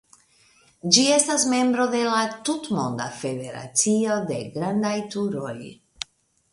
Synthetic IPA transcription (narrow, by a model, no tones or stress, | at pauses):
d͡ʒie̞stasme̞mbɾo̞de̞latutmo̞̰nd̪a̰fe̞de̞ɾa̰t͡sio̞de̞ɡɾand̪ajtuɾo̞̰j